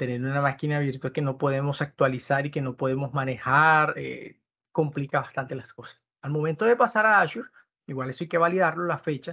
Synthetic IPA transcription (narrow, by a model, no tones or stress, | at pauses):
t̪e̞ne̞ɾunamakinaːβje̞ɾt̪oeke̞no̞po̞ðemo̞sak̚t̪walisaɾike̞no̞poð̞e̞mo̞zmãne̞haɾḛ | ko̞mplikaβast̪ant̪e̞lasko̞sḁs | almo̞mẽnt̪oðe̞pasaɾaaʃuɾ | iɣwalesajkeβaliðaɾlo̞lasfe̞t͡ʃa